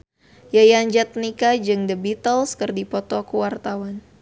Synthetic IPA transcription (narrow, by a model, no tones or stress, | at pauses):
jajaɲd͡ʒat̪̚nikad͡ʒɨŋdəbit̪əlskɨrdipɔt̪ɔkuwart̪awan